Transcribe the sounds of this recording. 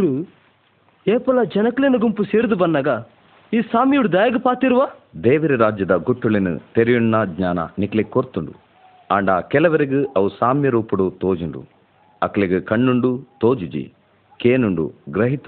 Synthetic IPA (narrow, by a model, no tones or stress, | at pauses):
ɾu | eːpɐlad͡ʒɐnɐklenɐɡumpuseːɾd̪ubɐnːɐɡa | iːsaːmjuɽud̪ɐːjɐɡɐpaːt̪iɾuʋaːd̪eːʋuɾiɾaːd͡ʒjɐd̪ɐɡuʈːulinṵt̪eɾijunːɐd̪ɲaːnɐ̰niklekːoɾt̪uɳɖṵ | aːɳɖaːkɛlɐʋɐɾiɡɯʔɐʋusaːmjɐɾuːpuɽut̪oːd͡ʒuɳɖṵ | ɐkɐleɡɨkɐɳːuɳɖut̪oːd͡ʒud͡ʒḭ | keːnuɳɖṵɡɾɐɦit̪